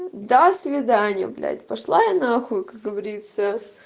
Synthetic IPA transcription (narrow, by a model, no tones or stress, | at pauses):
d̪asvʲɪd̪anʲɪjə̰blʲa̰t̪ʲpɐʂlˠajɐnaxukak̚ɡəvɐɾʲit̪sə